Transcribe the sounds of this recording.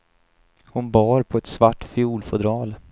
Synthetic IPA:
hʊnbɑːɾpʰɔɛt̪svaʈːfɪuːlfɔd̪ɾɑːl

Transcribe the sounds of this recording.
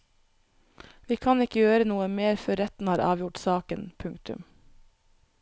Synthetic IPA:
ʋiːkʰɑnɪkəjøːɾənuːəmeːɾfœɾɛt̪n̩hɑːɾʔɑ̰ːʋjʊʈsɑːkənpʰʉŋkt̪ʉ̰m

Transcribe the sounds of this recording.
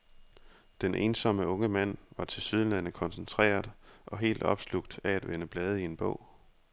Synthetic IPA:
d̥enʔe̝nsɒ̽məɔ̽ŋəmæn̰ʋɑ̈t͡sʰe̝lsyð̞ˠlæn̰əkʰɒ̽nsənt͡sʰʁɛ̰ːɐðˠʔɒ̽ɦe̝̰ːld̥ɒ̽b̥sluɡ̥̚d̥ææd̥ʋenəb̥lɛːð̞ˠəie̝nb̥ɔ̰̽ʊ̰

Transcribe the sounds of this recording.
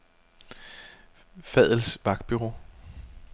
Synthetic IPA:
fɛðˠl̩sʋɑ̈ɡ̥d̥̚b̥yʁo̝̰ː

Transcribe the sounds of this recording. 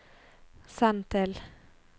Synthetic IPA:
sɑnt̪ɛl

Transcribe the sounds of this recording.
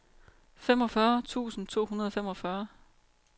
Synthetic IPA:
fem̰ɒ̽fɶɐt͡sʰṵːsn̩t͡sʰo̝̰ːhunɐðˠɒfem̰ɒ̽fɶɐ

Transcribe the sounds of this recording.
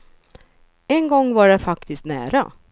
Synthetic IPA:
ɛnɡɔŋːvaɖɛfakt̪ɪskt̪næ̰ːɾa̰

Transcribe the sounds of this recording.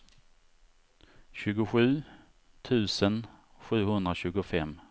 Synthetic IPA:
ɕʉ̟ːɡʊɧʉ̟ː | t̪ʰʉ̟ːsən | ɧʉ̟ːhɵnd̪ɾaɕʉ̟ːɡʊfɛm

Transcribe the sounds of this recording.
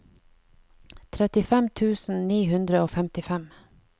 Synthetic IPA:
t̪ʰɾɛt̪ɪfɛmt̪ʰʉːsn̩niːhʉnd̪ɾəoːfɛmt̪ɪfɛm

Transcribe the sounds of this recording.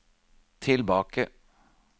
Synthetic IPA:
t̪ʰɪlbɑːkə

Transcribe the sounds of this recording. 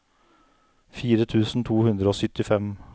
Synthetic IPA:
fiːɾət̪ʰʉːsn̩t̪ʰuːhʉnd̪ɾəoːsʏt̪ːɪfɛm

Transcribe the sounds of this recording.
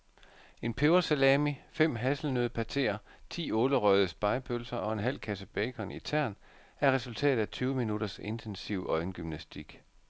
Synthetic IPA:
e̝npʰeʊɐselɛmifem̰ɦæsl̩nøðˠəpʰæt͡sʰe̝̰ːɐt͡sʰḭːɔ̽ːləʁœðˠəsb̥ɑ̈ɪpʰølsɐʔɒ̽e̝nɦæl̰kʰæsəb̥ɛɪkʰɒ̽nit͡sʰæɐ̰n | æɐʁɛsult͡sʰɛ̰ːð̩ˠæt͡sʰyːʊəminud̥ɐse̝nt͡sʰensiʊʔɒ̽ɪnɡ̥ymnæsd̥iɡ̥

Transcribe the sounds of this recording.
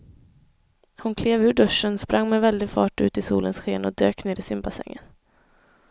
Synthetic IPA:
hʊnkʰleːvʉ̟ːɖɵʂːənspɾʔaŋːmɛvɛld̪ɪɡfɑːʈʉ̟ːt̪ɪsuːlənsɧeːnɔd̪ø̰ːkneːɾɪsɪmbasɛ̰ŋːə̰n

